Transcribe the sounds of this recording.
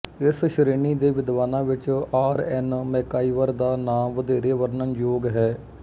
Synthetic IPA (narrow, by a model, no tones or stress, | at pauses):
ɪsʃɾeːniːd̪eːʋɪd̪ʋaːnãːʋɪt͡ʃaːɾɛnmɛ̃ːkaːiːʋəɾd̪aːnaːmʋəd̪eːɾeːʋəɾnənjoːɡɦɛː